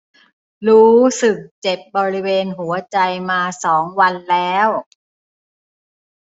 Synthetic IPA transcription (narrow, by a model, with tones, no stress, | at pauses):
ɾuː˦˥sɯ˨˩k̚t͡ɕe˨˩p̚bɔː˧ɾi˦˥weː˧nɦu˩˦ɐt͡ɕa˧jmaː˧sɔː˩˦ŋwa˧nlɛː˦˥w